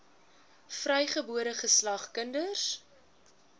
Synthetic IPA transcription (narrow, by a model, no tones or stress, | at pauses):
frœjχəbuəɾəχəslɐχkəndəs